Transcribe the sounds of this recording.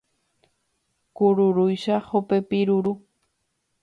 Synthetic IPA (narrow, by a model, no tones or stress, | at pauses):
kʊɾʊɾʊjʃahopepɪɾʊɾʊ